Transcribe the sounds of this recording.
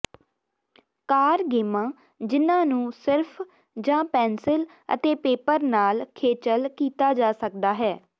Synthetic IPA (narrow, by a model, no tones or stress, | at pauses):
kaːɾɡeːmãː | d͡ʒɪnãːnũːsɪɾpʰ | d͡ʒãːpɛːnsɪl | ə̰t̪eːpeːpəɾnaːlkʰeːt͡ʃəlkiːt̪aːd͡ʒaːsək̚d̪aːɦɛː